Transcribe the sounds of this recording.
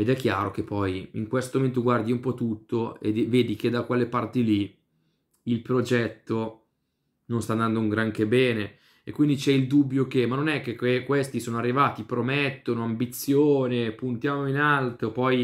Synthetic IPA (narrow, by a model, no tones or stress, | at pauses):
ed̪ɛkːjaːɾok̟epːɔjḭŋkwest̪omoment̪oɡward̪iumpɔt̪ːut̪ːoḛd̪vːeːd̪ik̟ed̪akwelːepart̪ili | ilpɾod͡ʒɛt̪ːo | nõnst̪aːnd̪and̪ouŋɡɾaŋkebɛːne | ekːwind̪it͡ʃɛild̪ubːjok̟emanːonɛk̟ːekekwest̪isoːnoarːivaːt̪ipɾomet̪ːonoambit̪sːjoːnepunt̪jaːmoinalt̪opɔj